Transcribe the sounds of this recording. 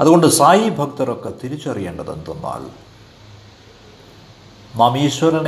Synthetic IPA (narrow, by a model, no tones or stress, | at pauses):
ɐðuɣo̞ɳɖɨsaːjibʱɐk̚t̪ɐɾokːet̪iɾit͡ɕːɐrijeːɳɖɐðḛnd̪unːa̰ːl | mɐmiːɕwɐɾɐn